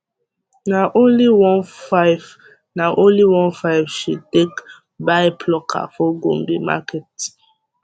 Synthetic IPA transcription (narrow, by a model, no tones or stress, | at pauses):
naʔõnliwɔ̃nfaɪv | naʔõnliwɔ̃nfaɪvʃud̚tek | baɪpʰlɔkʰa̰fɔɡõ̰mbima̰kɛt